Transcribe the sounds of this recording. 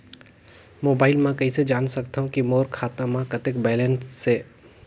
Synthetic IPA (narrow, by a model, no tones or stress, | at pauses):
moːbaːɪlmãkɐɦised͡ʒaːnsɐkt̪aɦũkimoːɾkʰaːt̪ãmãkɐt̪ɪkbɛːlẽnsːe